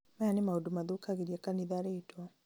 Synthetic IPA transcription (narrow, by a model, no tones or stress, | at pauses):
majanimaudumaðukaɣiɾiakaniðaɾeitwa